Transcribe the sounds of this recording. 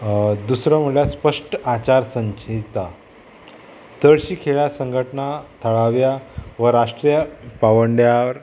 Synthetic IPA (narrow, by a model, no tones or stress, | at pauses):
d̪usɾaməlaspəʂʈat͡ɕaɾsəɲt͡ɕʰit̪a | t̪əɭɕiːkʰeɭjasəŋɡʱəʈnat̪ʰəɭaʋjaʋəɾaʂʈɾijəpaʋəɳɖjaəɾ